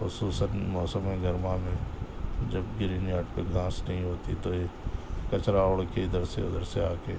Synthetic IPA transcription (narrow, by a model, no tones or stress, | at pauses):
xʊsuːsənmɔːsəmɦẽɡɐɾmamẽd͡ʒɐbɡɪɾinjaːʈpeɡãːsnɐɦĩɦoːt̪it̪oekɐt͡ʃɾaoɽkeɪd̪əɾsḛɪ̰d̪əɾseaːkeː